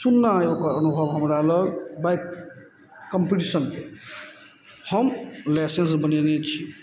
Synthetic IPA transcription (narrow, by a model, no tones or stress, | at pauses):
sunːaokaʌnubʱʌbɦʌmɾalʌɾbajkː | ʌmpiʈisʌn | hʌmlasensbʌnenet͡sʰi